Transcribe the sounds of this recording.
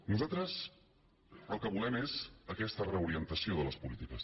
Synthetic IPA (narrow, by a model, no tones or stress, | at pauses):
nuzat̪ɾəs | əlˠkəβulɛmezəkɛst̪ərəuɾiənt̪əsioðələspulit̪ikəs